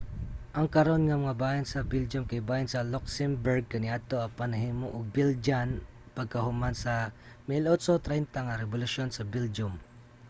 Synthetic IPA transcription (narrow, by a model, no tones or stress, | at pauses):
ʔɐŋkɐɾo̞nŋɐmɐŋabaːjansɐbɪld͡ʒʊmkajbaːjansɐloksɛmbɛɹɡ̚kɐnɪʔat̪oɐpɐnɐɦimoʔoɡ̚bɪld͡ʒan | pɐɡ̚kɐhʊmansɐ | mɪlot̪sot̪ɾant̪aŋaɾɛbʊlʊʃonsɐbɪld͡ʒʊm